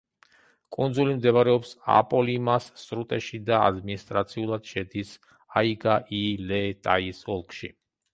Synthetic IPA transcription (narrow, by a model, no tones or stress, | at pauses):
kʼund̪zulimd̪ɛvaɾɛɔpsa̰pʼɔlimasːɾut̪ʼɛʃid̪aa̰d̪minist̪ʼɾat̪sʰiulˠad̪̥ʃɛd̪is | aiɡaʔilɛt̪ʼaisɔlˠkʼʰʃḭ